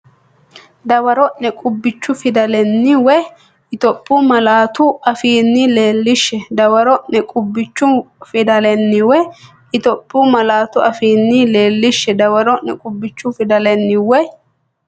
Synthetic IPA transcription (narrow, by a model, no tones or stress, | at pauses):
d̪ɐwɐɾɔʔnɛkʼʊbːɪt͡ʃːʊfɪd̪ɐlɛnːɪwɛ | ɪt̪ɔpʼːʊmɐlaːt̪ʊɐfiːnːɪle̞ːlːɪʃːɛd̪ɐwɐɾɔʔɛkʼʊbːɪt͡ʃːʊfɪd̪ɐlɛnːɪwɛ | ɪt̪ɔpʼːʊmɐlaːt̪ʊɐfiːnːɪle̞ːlːɪʃːɛd̪ɐwɐɾɔnːɛkʼʊbːɪt͡ʃːʊfɪd̪ɐlɛnːɪwɛ